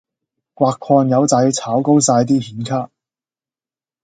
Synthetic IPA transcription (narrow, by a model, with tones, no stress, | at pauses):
kwʷaː˧kʰːɔː˧njɐ˨˧wt͡sɐ˨˥jt͡sʰaː˨˥wko˥wsaː˧jt̪̬iː˥hiː˨˥nkʰaː˥k̚